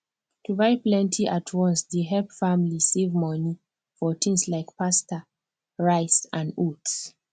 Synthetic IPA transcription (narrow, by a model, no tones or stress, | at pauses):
tuvaɪplɛ̃ntʰiʔatʰwɔ̃nsdeɦɛlpfamlisevmɔni | fɔtʰĩŋslaɪkpastə | ɹaɪsãnuts